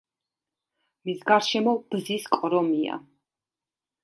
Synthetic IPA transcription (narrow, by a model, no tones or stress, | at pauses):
misɡaɾʃɛmɔb̥ziskʼɔɾɔmia̰